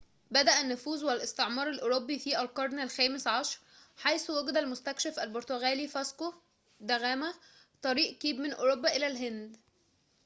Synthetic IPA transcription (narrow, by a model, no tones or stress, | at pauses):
bæd̪æʔænːʊfuːzwælʔɪst̪eʕmɑːɾˤælʔoɾobːifiːʔælkɑɾˤnælxæːmesʕɑʃɾˤħajswæɡd̪ælmʊst̪ækʃæfʔælboɾt̪oɣæːliːfæsko | d̪æɣæːmæ | t̪ˤɑɾiːʔkiːbmɪnʔoɾobːæʔɪlælɦɪnd̪